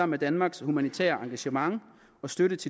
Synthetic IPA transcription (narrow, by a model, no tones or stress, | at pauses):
ɑm̰ed̥ænmɑ̈ːɡ̥shumænit͡sʰæ̰ːɐʔɑ̈ŋɡ̥æɕəmɑ̈ŋ | ɒ̽sd̥øɾ̥ət͡sʰe̝